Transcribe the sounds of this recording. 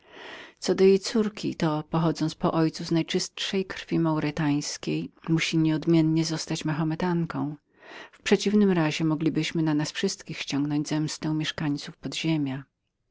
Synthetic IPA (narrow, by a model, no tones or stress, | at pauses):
t̪sɔd̪ɔjejt̪suɾkʲḭt̪ɔpɔxɔd̪zɔnt̪spɔʔɔjt̪suznajt͡ʂɘst̪ʂɛjkɾfʲimawɾɛt̪aj̃skʲejmuɕiɲɛɔd̪mʲjɛnɲɛzɔst̪at͡ɕmaxamɛt̪aŋkɔ̃w̃ | fpʂɛt͡ɕivnɘmɾaʑɛmɔɡlʲibɘɕmɘnanasfʂɘst̪kʲixɕt͡ɕɔ̃ŋɡnɔ̃ɲd͡ʑzɛmst̪ɛ̃w̃mʲjɛʂkaɲt̪sufpɔd̪ʑemʲja